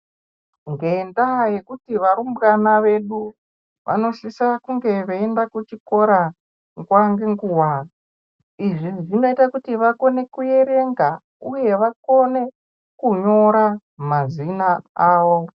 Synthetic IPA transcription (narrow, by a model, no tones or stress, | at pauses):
ŋɡendaje̞kutiʋaɾumbkanaʋe̞ɗu | ʋʔa̰no̞ʃisakuŋɡe̞ʋeendakut͡ʃiko̞ɾa | ŋɡwaŋɡeŋɡuwa | iʐiʐino̞itakutiʋako̞ne̞kuje̞ɾe̞ŋɡa | uje̞ʋako̞ne̞ | kuɲo̞ɾa | mazinaaːʋo̞